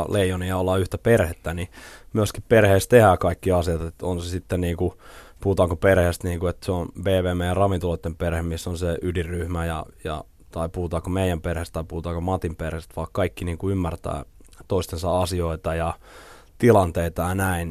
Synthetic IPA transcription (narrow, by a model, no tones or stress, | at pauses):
leijoniɑolːɑyht̪æperhet̪ːænimyøskipperheːst̪t̪ehæːkɑikːiɑsiɑt̪et̪onsesit̪ːenniːŋkupuhut̪ɑːŋkoperhest̪niːŋkuet̪seonbeːʋeːmejɑrɑʋint̪ulot̪ːemperhemmisːonseʔydirːyhmæjɑjɑ̰ | t̪ɑipuhut̪ɑːkomeijˑæmperhest̪t̪ɑipuhut̪ɑːkomɑt̪imperhest̪ʋɑːkkɑikːiniːŋkuymːært̪æ̰ː | t̪oist̪ensɑɑsioit̪ɑjɑ | t̪ilɑnt̪eit̪ɑjɑnæin